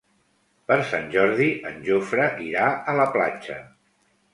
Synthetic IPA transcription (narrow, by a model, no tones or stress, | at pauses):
pəɾsanʲʒɔɾðiʔənʲʒofɾəʔiɾaʔələpla̰t͡ʃə